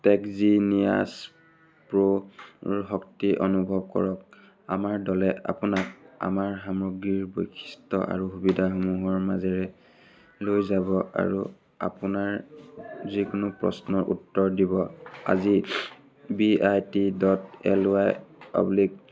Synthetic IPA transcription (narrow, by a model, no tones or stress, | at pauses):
tɛkzinija̰s | pɹo | ɦɔk̚tiʔɔnubʱɔb̚kɔ̰ɹɔk̚ | amaɹdɔlɛa̰punak̚a̰maɹɦamɹoɡɹiɹbo̰jkʰi̥stɔ̰ʔa̰ɹuɦubidʱaxomuɦɔɹmazɛɹɛ | lojzabɔa̰ɹu | a̰punaɹ | zikʊnʊpɹɔ̰snɔɹʔṵtːɔɹdibɔa̰zi | biajtidɔtɛ̰lajpa̰blik̚